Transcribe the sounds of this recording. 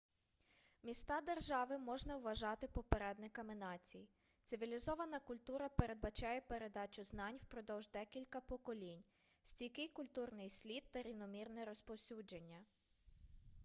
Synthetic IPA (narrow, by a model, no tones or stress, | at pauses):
mʲist̪ɑd̪erʒɑʋɪmɔʒnɐwʋɐʒɑt̪ɪpɔpeɾɛd̪nɪkɐmɪnɑt͡sʲiji | t̪sɪʋʲilʲizɔʋɐnɐkʊlʲt̪uɾɐpeɾe̞d̪̚bɐt͡ʃɑjɛpe̞ɾe̞d̪ɑt͡ʃʲʊznɑnʲwpɾɔd̪ɔwʒd̪ɛkʲilʲkɐpɔkɔlʲinʲ | sʲtʲijkɪjkʊlʲt̪urnɪjsʲlʲid̪t̪ɐɾʲiwnɔmʲirnɛɾɔspɔwsʲud͡ʒenʲːɐ